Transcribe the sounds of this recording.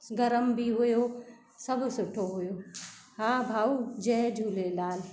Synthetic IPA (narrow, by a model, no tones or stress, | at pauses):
ɡɐɾəmbʱiɦojo | səbsʊʈʰoɦʊjoːhãːbʱaːud͡ʒɛːd͡ʒʱuːlelaːl